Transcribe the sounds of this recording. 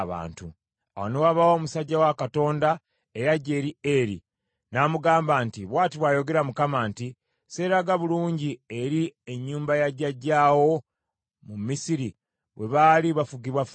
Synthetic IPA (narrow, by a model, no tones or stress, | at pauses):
βa̰ːntu | awonewaβawo̞ːmusaɟːawakato̞ːnda | e̞ɾaɟe̞ːɾieɾḭ | namuɡaːmbaːntiβwaːtiβwajo̞ɡe̞ɾamukamaːnti | se̞ɾaɡaβuluːɲɟie̞ɾie̞ɲːuːmbajaɟaɟːaːwo̞ | mumisiɾi | we̞βaliβafuɡiβwaf